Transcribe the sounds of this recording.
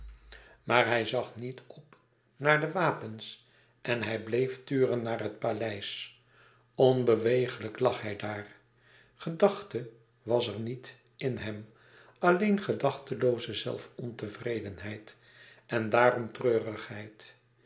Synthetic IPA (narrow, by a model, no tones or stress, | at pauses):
maːɹɦɛjzɑχnitɔp | naːɹdəʋaːpəns | ʔɛnɦɛjblejftyːrənːaːrɦət̚palɛjs | ɔnbəʋejχələklɑχhɛjdaːr | χədɑχtə | ʋɑsəɹnit | ɪnɦɛm | ʔɑlejnχədɑχtəlowzəzɛ̰lˠfɔntəvrejdənɦɛjt | ʔɛndaːɾɔmtrøːrəχhɛjt